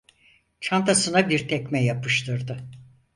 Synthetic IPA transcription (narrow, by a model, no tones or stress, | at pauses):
t͡ʃʰant̪asɯnabiɾt̪ʰɛcʲmɛjapʰɯʃt̪ʰɯɾd̪ɯ